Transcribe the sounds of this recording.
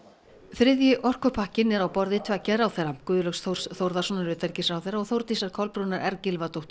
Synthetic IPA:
θɾɪðjɪʔɔr̥kʏpʰahcɪnɛɾawpɔɾðɪt̪ʰvɛcːaɾawθɛɾːakʏːðʏlœxsθow̥sθowɾðasɔnaɾvɪt̪ʰɛɾcɪsawθɛɾːaɔɣθowɾt̪isaɾ̥kʰɔlpɾunaɾʔɛɾcɪlvat̪owht̪

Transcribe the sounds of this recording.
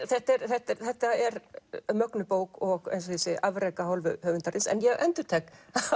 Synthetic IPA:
θɛht̪ɛɾθɛht̪ɛθɛht̪ːaɛɾmœknʏpoːwkɔɣḛjns̬ɔθisɪʔavɾeːjkahɔwlvʏhœːɣvʏnt̪aɾɪsɛ̰njɛɣʔɛnt̪ʏ̥t̪ʰɛk

